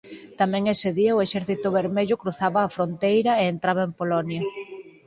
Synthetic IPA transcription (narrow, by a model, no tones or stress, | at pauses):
t̪amɛ̃ŋeseðiɐʊeʃɛɾθit̪ʊβeɾmeʎʊkɾuθaβɐːfɾont̪ejɾɐeent̪ɾaβɐempolɔnjɐ